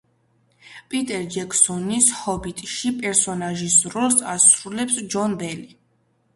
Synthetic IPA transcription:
pʼit̪ʼɛɾd͡ʒɛkʰsɔnishɔbit̪ʼʃipʼɛɾsɔnaʒisɾɔlˠsasɾulɛpsd͡ʒɔnbɛli

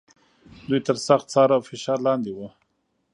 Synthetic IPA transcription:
d̪ujt̪əɾsaxt̪̚t͡sɑɾawfɪʃɑɾlɑnd̪ewə

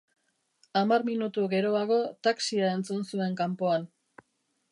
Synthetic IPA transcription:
amaɾminut̪uɣe̞ɾo̞aɣ̞o̞t̪aksiae̞nt͡sunsue̞ŋkampo̞an

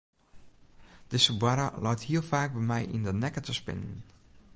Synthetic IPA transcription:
d̥əsəbwaɾəlɔjthiəlˠfaːk̚bɛjmɛjʔḭndənɛkətəspɪ̰nən

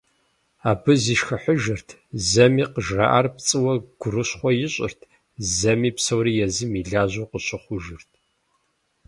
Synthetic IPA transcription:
aːbɨziːʃxɐħʷʊʒɨrtʰzɐmiːqəʒra̰ʔarpt͡sʼɨwɐɡʷʊrɨɕχʷɔjɪɕʼɪ̰rtʰ | zɐmiːpsɐwɾijɛzɨmiɮaːʑuːqəɕʊχʷʊʒɨrtʰ

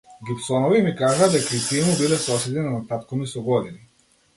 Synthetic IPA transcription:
ɡipsɔnɔvimikaʒad̪ɛkait̪iɛmubilɛsɔsɛd̪inanat̪at̪kɔmisɔɡɔd̪ini

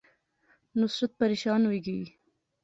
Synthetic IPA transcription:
nʊsɾat̪̚paɾeʃɑːnweɡii

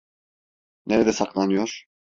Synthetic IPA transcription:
neɾɛd̪ɛsaklˠanɯjoɾ̥

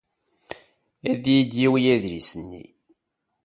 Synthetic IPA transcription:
æðjid̪jiwijæðɾisənːḭ

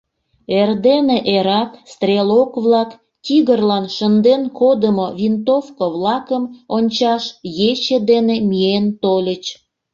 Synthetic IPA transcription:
erd̪eneʔeɾɑt̪st̪ɾʲelokβlɑk | t̪ʲiɣərlɑnʃənd̪enkod̪əmoβint̪ofkoβlɑkəmonʲt͡ɕɑʃjet͡ɕed̪enemient̪olʲət͡ɕ

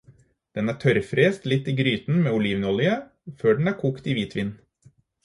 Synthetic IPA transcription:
d̪̥ɛnæːʈʰœɾfɾeːst̪lɪt̪ːiːɡɾyːt̪n̩meːʊliːʋnɔlɪə | føːɖn̩æːɾkʰuːkt̪iːʋiːt̪ʰʋɪnː

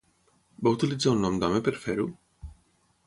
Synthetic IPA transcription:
baut̪ilizaunːɔmd̪amepeɾfeɾu

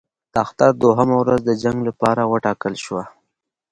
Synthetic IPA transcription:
d̪axt̪aɾd̪oɦamawɾazd̪əd͡ʒaŋɡlapɑɾawəʈɑkəlʃwa

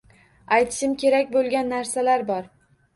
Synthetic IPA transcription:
ajt̪ʰɪ̥ʃɪmkʲe̞ɾakʲbolˠɡʲanːaɾsalaɾbɒɾ

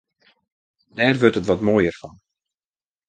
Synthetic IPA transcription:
dɛːrʋørtətʋɔtmoːjərfɑn

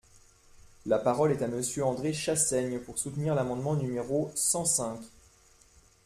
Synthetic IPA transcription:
lapaʁɔlɛt̪aməsjøɑ̃d̪ʁeʃasɛɲpuʁsut̪niʁlamɑ̃d̪mɑ̃nymeʁosɑ̃sɛ̃kʲ

